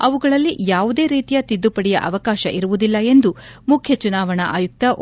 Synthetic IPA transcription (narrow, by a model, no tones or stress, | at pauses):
ɐʋuɡɐɭɐlːijaːʋud̪e̞ːɾiːt̪ijɐt̪id̪ːupɐɽɛjɐ̰ʔɐʋɐkaːʃɐʔiɾuʋud̪ilːɐe̞nd̪umukʰjɐt͡ʃunaːʋɐɳɐʔaːjuk̚t̪ɐʔ